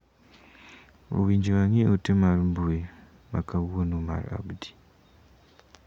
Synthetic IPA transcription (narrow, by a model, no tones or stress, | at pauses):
o̰wiːɲd͡ʒiwaŋiotemaɾimbue | makawonuma̰ɾa̰bdi̥